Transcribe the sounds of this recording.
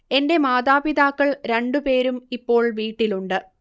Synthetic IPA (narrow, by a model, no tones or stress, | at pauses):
e̞nde̞maːd̪aːbid̪aːkːɐɭɾe̞ɳɖupe̞ːɾumipːo̞ːɭʋiːʈːiluɳɖɨ